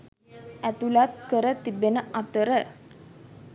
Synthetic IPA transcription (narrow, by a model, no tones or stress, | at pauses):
æt̪ulat̪kəɾət̪ibenəʔat̪əɾə